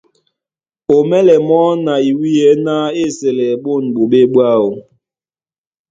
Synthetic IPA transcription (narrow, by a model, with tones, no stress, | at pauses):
o˨mɛ˦lɛ˨mɔ˦na˨i˨wi˦jɛ˨˦na˦e˦˨sɛ˨lɛ˨ɓo˦˨nɓo˨ɓe˦ɓwa˦˨o˨